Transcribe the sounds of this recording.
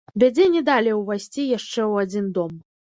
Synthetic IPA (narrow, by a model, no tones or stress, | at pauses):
vʲad͡zʲɛnʲɛd̪alʲɛwvajsʲt͡sʲijaʂt͡ʂɛwad͡zʲind̪ɔm